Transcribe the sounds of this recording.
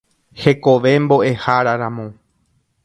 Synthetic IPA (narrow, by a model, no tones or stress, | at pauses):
he̞ko̞ʋe̞mbo̞ʔe̞haɾaɾãmõ